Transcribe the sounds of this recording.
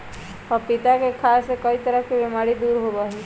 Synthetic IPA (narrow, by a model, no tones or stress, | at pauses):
ɔpit̪akekʰasekəit̪əɾəɦkibemaɾid̪uːɾɦobaɦi